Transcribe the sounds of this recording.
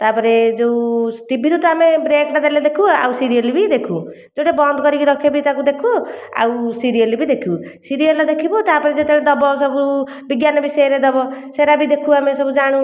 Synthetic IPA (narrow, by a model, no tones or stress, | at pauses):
t̪apʌɾed͡zowsʈibiɾut̪amebɾekʈad̪aled̪ekʰua̰wsiɾijɔlibid̪ekʰu | d͡zoɽebɔnd̪kʌɾikiɾʌkʰebit̪akud̪ekʰua̰wsiɾijʌlibid̪ekʰusiɾijʌlad̪ekʰibot̪apɔɾid͡ʒet̪eɾed̪ʌbɔsʌbu | biɡjanʌbisʌeɾed̪ʌbɔseɾabid̪ekʰuamesʌbud͡zaɽ̃ũ